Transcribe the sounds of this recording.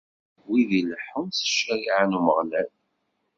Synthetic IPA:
wiðiləħənsə̥ʃːæjiʕənuməʁlæl

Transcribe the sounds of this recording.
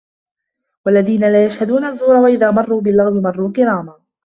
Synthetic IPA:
walːaðiːnalaːjaʃhad̪uːnazˤːuːɾˤɑwaʔɪðaːmɑrˤːuːbɪlːɑɣbɪmɑrˤːuːkɪɾaːma

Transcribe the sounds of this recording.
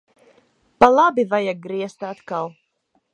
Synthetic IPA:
palˠabivajaɡ̚ɡɾiɛst̪at̪kalˠ

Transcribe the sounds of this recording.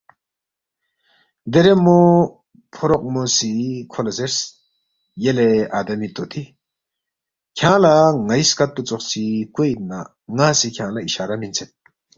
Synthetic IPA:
d̪eɾemo | pʰoɾoq̚mosikʰolaseɾs | jeleaːd̪ɐmit̪ot̪ʰi | kʰjãlaŋajskat̪ːut͡soχt͡sʰikoj̪na | ŋasikʲʰãːlaiʃaːɾamint͡sʰet̪̚

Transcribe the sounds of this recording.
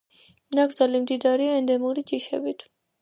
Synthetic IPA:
naɡɾd̪zalimd̪id̪aɾiaɛnd̪ɛmuɾid͡ʒiʃɛ̰bit̪ʰ

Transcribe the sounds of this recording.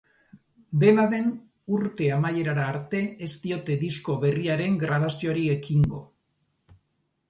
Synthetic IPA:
d̪e̞naðe̞n | uɾt̪e̞amaje̞ɾaɾaːɾt̪e̞est̪io̞t̪e̞ðisko̞βe̞riaɾe̞ŋɡɾaβ̞asio̞ɾie̞kiŋɡo̞̰

